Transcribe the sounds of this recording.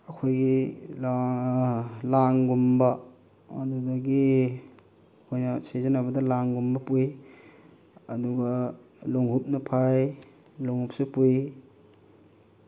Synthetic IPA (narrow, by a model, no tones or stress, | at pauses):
ɐkʰojɡi | laŋɡumbɐː | duɡɐɡi | ɐkʰojnɐsezɐnɐbɐdɐlaŋɡumbɐpuj | ɐduɡɐ | loŋɦup̚nɐpʰaj | loŋhup̚sipuj